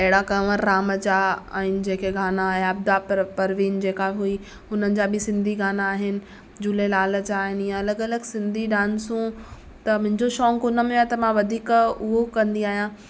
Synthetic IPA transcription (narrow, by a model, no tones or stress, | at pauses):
ɐɦɪɽakɐʋəɾːaːmət͡ɕaa̰ːɦɪnɪ̆d͡ʑẽːkeɡʱaːnaːjaɐbd̪appɐɾʋiːnd͡ʑeːkaɦui | ʊnənɪ̆d͡ʑabʱɪsɪ̃nd̪ʱiɡaːnaːɦɪnɪ̆ | d͡ʑulelaːlət͡ɕaːɦɪnijãɐləɡɐləɡsɪ̃nd̪ʱiɖãːnsũ | t̪ɐmʊ̃ɦɪ̃ɲd͡ʑoʃɔːŋkʊnəmẽet̪ɐmãʋɐd̪ʱiːkʊɦokɐ̃nd̪iaːɦijã